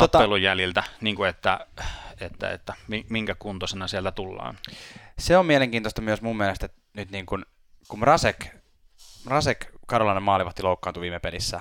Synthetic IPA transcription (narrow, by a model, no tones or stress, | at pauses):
t̪otp̪ɑelujjæljilt̪æniːŋkuet̪ːæet̪ːæ̰ḛt̪ːæmimiŋkækunt̪osenɑsielt̪æt̪ulːɑ̰ːnseomieleŋkiːnt̪ost̪ɑmyøsmummelest̪et̪ | nyt̪niːŋkun | kumrɑsek | rɑsekkɑɾolɑnemɑːliʋɑt̪ːiloukːɑːnt̪uʋiːmepelisːæ̰